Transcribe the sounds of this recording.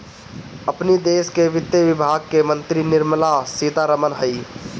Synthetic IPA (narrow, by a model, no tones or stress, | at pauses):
əpnid̪eːʃkeʋɪt̪jəʋɪbʱaːɡ̚kemə̃nt̪ɾinɪɾmlasit̪aɾəmənɦəi